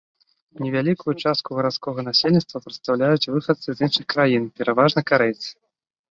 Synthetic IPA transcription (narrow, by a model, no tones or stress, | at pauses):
nʲɛvʲalʲikujut͡ʂast̪kuɣɐɾat̪skɔɣɐnasʲelʲnʲit̪t̪vɐpɾɨt̪st̪awlʲajut͡sʲvɨxɐt̪sɨzinʂɨxkɾajinpʲɛɾʔavaʐnɐkaɾɛt͡sʲ